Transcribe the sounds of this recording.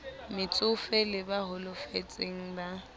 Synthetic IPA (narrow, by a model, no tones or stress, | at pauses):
mɪt͡sʼʊfɛlɪbaɦʊlʊfet͡sʼeŋ̩ba